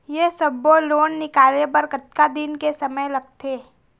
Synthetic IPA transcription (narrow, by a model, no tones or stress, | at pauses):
jesɐbːoloːnːɪkaːlebəɾkət̪kad̪ɪnkesɐməjlɐɡ̚t̪ʰeː